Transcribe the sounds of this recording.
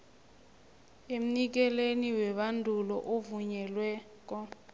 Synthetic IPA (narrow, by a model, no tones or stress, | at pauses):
em̩nik̬ɛleniwɛɓandʱulɔʔovuɲɛlwɛː | k̬ʼɔ